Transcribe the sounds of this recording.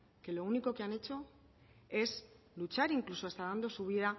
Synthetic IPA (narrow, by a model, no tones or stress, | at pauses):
ke̞lo̞uniko̞keane̞t͡ʃo̞ | e̞s | lut͡ʃaɾiŋklusoe̞st̪aðand̪o̞suβ̞iða